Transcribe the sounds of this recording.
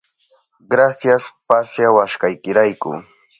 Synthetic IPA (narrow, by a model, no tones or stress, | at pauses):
ɢɾasjaspasjawaʃkajkɪɾajkʊ̰